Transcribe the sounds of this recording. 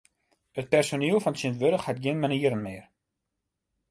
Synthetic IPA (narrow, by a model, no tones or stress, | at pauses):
ət̚pɛrsoniəlˠfɔnsɪntʋøɾəxhat̚ɡɪnmɛnəiəɾənmɪːr